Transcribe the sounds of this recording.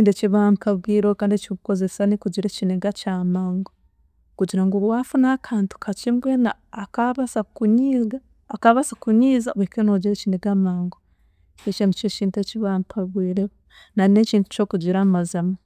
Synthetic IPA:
iːndet͡ʃiβampaɡwiːɾokaːndet͡ʃiβuko̞zesanikuɟiɾet͡ʃineɡat͡ʃamaːŋɡo | kuɟiɾaŋɡowafunaːkʰaːntu̥kʰat͡ʃimbweːnaːkaβasakuɲiɡaː | kaβasakuɲiːzaβwekenoɟiɾet͡ʃineɡamaːŋɡo | et͡ʃenut͡ʃet͡ʃiːnteciβampʰaβwiːɾeβo | nanet͡ʃiːntu̥t͡ʃo̞ːkuɟiɾamazama

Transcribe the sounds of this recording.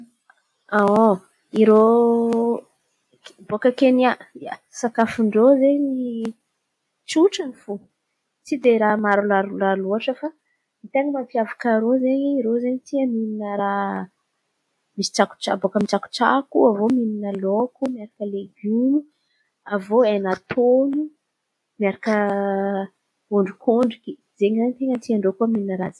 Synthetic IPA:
ao | iɾo | bokəkeniaasakafuɳɖ͡ʐozeɲɲi | t͡suʈ͡ʂanifu | t͡sid̪eɾamaɾulaɾulaluaʈ͡ʂəfa | mit̪eŋimampiavakaɾozeɲeiɾozeɲt̪iəmininəɾa | misi̥ʈ͡ʂaku̥ʈ͡ʂa̰bokəmiʈ͡ʂaku̥ʈ͡ʂa̰kuavomininəlokumiaɾakəleɡunu | avoenat̪ʰonu | miaɾakə | oɳɖ͡ʐukʰoɳɖ͡ʐiki | d͡zeɲizaɲit̪eŋət̪iaɳɖ͡ʐokuəmininəɾazi̥

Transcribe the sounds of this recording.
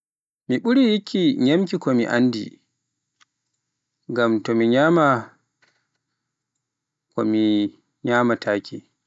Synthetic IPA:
miɓuɾijikʰʲːiɲamkikɔmḭʔa̰ndḭ | ɡamtɔmiɲama | kɔ̰mi | ɲaːmatʰaːkʰʲi

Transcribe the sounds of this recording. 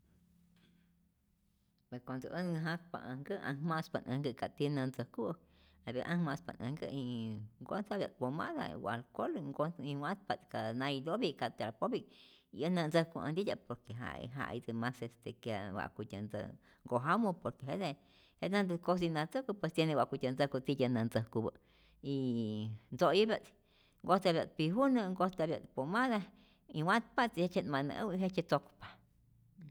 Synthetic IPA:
pweskʷand̪oʔənŋaɦãpa̰ʔaŋɡəʔã̰hmãspanʔə̃ŋɡɨkat̪inãnd͡zəkuʔ | abeʔãhmãspa̰nə̰̃ŋɡə̰iŋɡont͡sabjapomã̰ʔd̪a̰ḭwalkolŋɡoimãspat̪kanãid̪obikat̪eɾapobi | iənãnd͡zəkuʔã̰nd̪id̪ʲapoɾkeɦa̰ʔḭɦa̰ʔḭd͡zɨmãsest̪ekjawa̰ʔkʷit̪ʲand͡zə̰ | ŋɡoɦamũpoɾkeɦede | henãnd̪ɨkos̬inãt͡səkupwest̪jenẽwʷakʷit̪ʲand͡zəkut͡sijanãnd͡zəkubə | ind͡zojubjat͡si̥ | ŋɡot̪eaβjat̪̚piɦunɨ̃ŋɡost̪βja̰t̪pomãða | iwãt̪̚pat͡sihet͡ʃenmãnə̰̃ʔwiɦet͡ʃet͡sokʷpḁ

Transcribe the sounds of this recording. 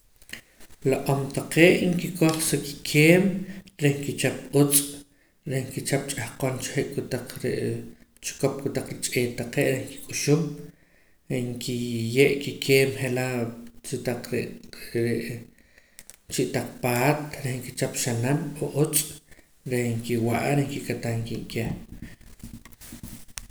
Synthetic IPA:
loʔomt̪aqeːʔŋkikʰoχseki̥kʰeːmɾehŋkit͡ʃap̚ut͡sʼ | ɾehŋkit͡ʃap̚t͡ʃʼahqont͡ʃχeʔkʼut̪aq͡χɾḛʔt͡ʃkop̚kʼut̪aq͡χɾit͡ʃʼeːt̪aqeːʔɾehŋki̥kʼuʃum | eŋkʰijeʔkikʰeːmχelat͡ʃit̪aqɾeɾeʔ | t͡ʃiʔt̪aq͡χpaːt̪ɾehŋkit͡ʃap̚ʃanamoʔut͡sʼ | ɾeŋkiwaʔɾeŋkikʼat̪aŋkiʔkeːm

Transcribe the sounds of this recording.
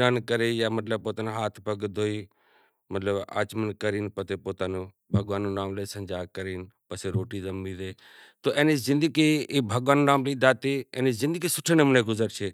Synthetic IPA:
aːnkəɾeːjaːmɐt̪ləb̚poːt̪aːneɦaːt̪ʰpɐɡd̪ʱoːiː | mɐt̪ləba̰ːt͡ʃmənkəɾiːnpət̪epoːt̪aːnuː | bʱɐɡʋaːnːuːnaːmləsə̃ɲd͡ʒaːkəɾiːnpəseɾoːʈiːzɐmbiːd̪eː | t̪oːʔeːnizɪ̃nd̪əɡiːbʱəɡʋaːnuːnaːmlid̪aːt̪iːeːnizɪ̃nd̪əɡisʊʈʰənemneːɡʊzəɾt͡ʃʰeː

